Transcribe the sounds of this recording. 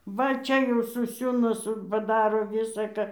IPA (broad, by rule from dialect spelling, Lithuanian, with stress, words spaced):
ˈʋɐ ˈt͡ʃʲɛ jɛʊ sʊˈsʲuːnɐ ˈsʊ pɐˈdɑːroː ˈʋʲɪsɐ kɐ